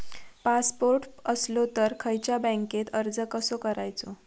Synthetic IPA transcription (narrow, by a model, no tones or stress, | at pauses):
paspoɾʈəslot̪əɾkʰəjt͡ɕjabə̃ŋket̪əɾd͡zəkəsokəɾajt͡so